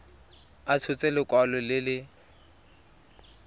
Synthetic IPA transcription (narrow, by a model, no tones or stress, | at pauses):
at͡sʰʊt͡sʼɛlɪkʼwalɔlɪlɪ